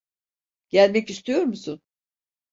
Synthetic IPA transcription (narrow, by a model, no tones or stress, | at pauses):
ɟ̥ælʲmɛcist̪ʰyjo̞ɾmusun